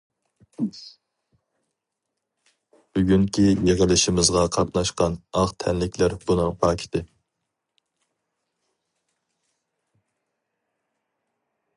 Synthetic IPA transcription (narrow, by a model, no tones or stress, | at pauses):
b̥yɡʲyŋkʲʰijeʁəlˠɪʃɪmɪzʁɑqʰɑt̪nɑʃqɑnɑʁt̪ʰɛnlɪkʲʰlæɾb̥unɨŋpʰɑːkʲʰi̥t̪ʰɪ